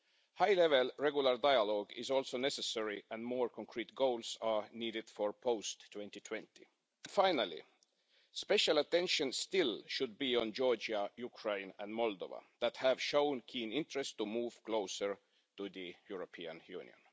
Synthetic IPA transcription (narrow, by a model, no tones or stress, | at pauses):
haɪlɛvɛlɹɛɡjʊləɹdaɪəlɔɡɪzɔlˠsoʊnɛsɛsɛɹiæ̃nmɔːɹkʰɔ̃ŋkʰɹiːt̪̚ɡoʊlsɑniːɾɪd̥fəɹpʰoʊstʰːw̥ɛ̃nt̪itʰw̥ɛ̃ntḭ | fãɪnəlḭ | spɛʃalət̪ɛ̃nʃə̃nstɪlʃʊd̪̚biə̃nd͡ʒɔɹd͡ʒəjukʰɹẽɪ̃næ̰̃nmɔld̪o̰və̰ðæt̪hæv̥ʃõʊ̃nkʰĩːnɪ̃ntɹɛsttumuːv̥kloʊsəɹ | tuðɨjuɹopʰiə̰̃njṵ̃ːnj̰ə̰̃n